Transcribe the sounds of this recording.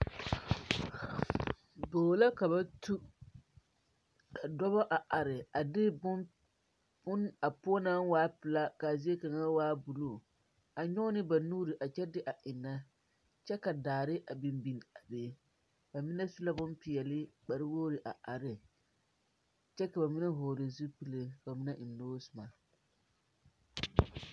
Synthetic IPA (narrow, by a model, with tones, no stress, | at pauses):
boː˨la˦ka˨βa˦tu˦ | a˨dɔ˦ba˦ʔa˨ʔa˨ɾɪ˨a˨dɪ˦b | bʊ˦na˨pʊ˦ɔ˦na˦n˦waː˦pɪ˨la˦ka˨zi˦e˦ka˨ŋa˦waː˦bu˨lo˨ | a˨ɲɔ˦nɪ˦ba˨nuː˦ɾi˨ʔa˨t͡ʃɛ˦dɪ˦ʔa˨ʔɪ˨nːa˦ | t͡ʃɛ˦ka˨daː˨ɾɪ˦ʔa˨bɪ˨mbi˨n˨a˨beː˨˦ | ba˨mɪ˦nɛ˦su˦la˦bʊ˦mpɪ˨ɛ˨lɪ˦k͡pa˨ɾɪ˦woː˦ɾɪ˨ʔa˨ʔa˨ɾɪ˨ | t͡ʃɛ˦ka˨ba˨mɪ˦nɛ˦ɦoː˨ɾɪ˨zu˦pi˨le˨ka˨ba˨mɪ˦nɛ˦ʔɪ˨nːoː˦sʊ˨ma˨